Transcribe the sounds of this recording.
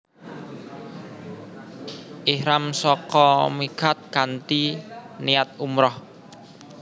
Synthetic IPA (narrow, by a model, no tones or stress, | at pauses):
ʔihɾamsɔkɔmikat̪̚kant̪iniat̪̚umɾɔh